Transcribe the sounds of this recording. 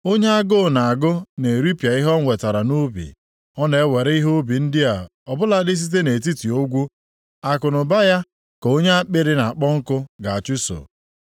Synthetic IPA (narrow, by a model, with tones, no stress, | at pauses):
o˦ɲe˦a˦ɡo˦˨na˨a˨ɡʊ˦ne˨ɾi˦pa˨i˦ɦɔ˦ŋʷe˨ta˨ɾa˨no˦bḭ˨ | ɔ˦ne˨e˦we˨ɾe˦i˦ɦo˦o˦bi˨n̩˦dɪ˦a˨ɔ˨bʊ˦la˦dɪ˦s̬i˦t̬e˦ne˨t̬i˦ti˨o˦ɡʷu˦ | a˨kʊ˨nʊ˨ba˦ja˦ | ko˦ɲe˦a˦k͡pɪ˦ɾɪ˦na˨a˨k͡pɔ˦ŋ̩˦kʊ˦ɡa˨a˨t͡ʃu˦so̰˨